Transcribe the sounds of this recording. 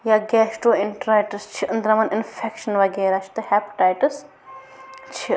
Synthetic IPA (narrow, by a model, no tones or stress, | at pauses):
jaːɡɛːʃʈoːɪɳʈɾaːjʈɨst͡ʃʰiʔɨnd̪ɾɐmɐnɪnfʰekʃɐnʋɐɡeːɾaːʃʰt̪ɨhɛːpʈaːjʈɨs | t͡ʃʰi